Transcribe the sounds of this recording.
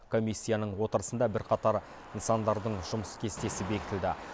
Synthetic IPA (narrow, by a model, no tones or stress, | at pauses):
kʰo̞mʲijsʲːijanəɴwo̞t̪əɾəsənd̪ɑbɪɾqʰɑt̪ɑɾ | ənsɑnd̪ɑɾd̪əɴʒʊməskʲʰe̞st̪e̞sɪbe̞kʲɪt̪ɪld̪ɪ